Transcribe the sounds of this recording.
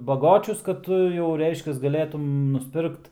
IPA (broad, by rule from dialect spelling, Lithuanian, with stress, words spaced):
bɐˈɡoːt͡ʃʲʊs kɐt ˈtʊ jɛʊ ˈrʲɛɪʃʲkʲɛs ɡɐˈlʲeːtʊm nʊsʲˈpʲɪrkt